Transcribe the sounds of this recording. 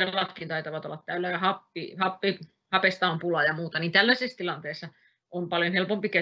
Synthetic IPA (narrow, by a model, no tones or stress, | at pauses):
elɑt̪kint̪ɑit̪ɑʋɑt̪olːɑt̪t̪æylːæjɑhɑpːihɑpːi | hɑpest̪ɑːmpulɑjɑmuːt̪ɑniːnt̪ælːæsest̪ilɑnt̪eːsːɑ | ompɑljonhelpompike